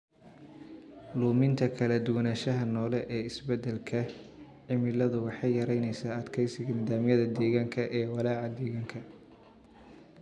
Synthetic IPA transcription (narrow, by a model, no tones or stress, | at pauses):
luːmɪnt̪ʰɐkʰɐlɐd̪ʊwɐnaːʃɐɦɐnɔːlɛʔɛːɪsbɛd̪ɛlkʰɐ | ʕɪmɪlɐðʊwɑħɑjjːɐɾɛjnɛjsaːɐd̪kʰɛjsɪɣɐnɪðaːmjɐðɐd̪ɛːɣaːŋkʰɐʔɛːwɑlaːʕɑd̪ɛːɣaːŋkʰɐ